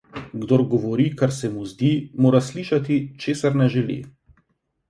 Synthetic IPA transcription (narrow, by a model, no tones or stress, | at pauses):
ɡd̪oːɾɡɔʋɔɾiːkaɾsɛmuzd̪iːmoːɾasliːʃat̪it͡ʃeːsaɾnɛʒɛlḭ